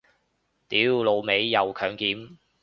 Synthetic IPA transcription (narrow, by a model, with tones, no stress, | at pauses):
t̪iː˨˥wlo˨˧wme˨˧jːɐ˨˧wkʰœː˨˧ŋkiː˨˥m